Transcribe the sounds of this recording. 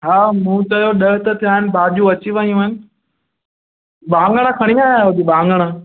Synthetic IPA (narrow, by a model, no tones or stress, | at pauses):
ɦaːmũːt͡ɕɐjoɗɐɦt̪ət̪ʰijaːɦɪnɪ̆bʱaːʄũɐt͡ɕiʋɐijũɪnɪ̆ | ɓãːŋɡəɽ̃ãkʰɐɽ̃iaːɦʊd̪iɓãːŋɡəɽ̃a